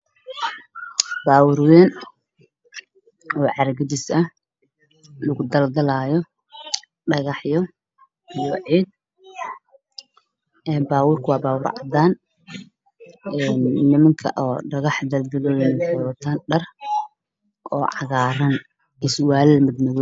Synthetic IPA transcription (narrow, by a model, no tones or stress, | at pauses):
baːwʊrwɛːn | ɔːʕɑɾɐɡɐd̪ɪsɐh | lʊɣʊd̪ɐld̪ɐlaːjɔ | ɖɐɣɑħjɔ | ijɔʕiːd̪̚ | ɛːbaːwʊːrkʰwɑːbaːwʊrʕɑ̰d̪aːn | ɛnːɪmɐŋkʰɐ̰ʔɔːɖɐɣɑħd̪ɐld̪ɐlɔlɪmɐŋkʰɐjɔːt̪ʰanɖɐr | ʔɔːʕɑɣaːɾɐn | ʔɪswaːlɛmɪd̪mɪɣɔ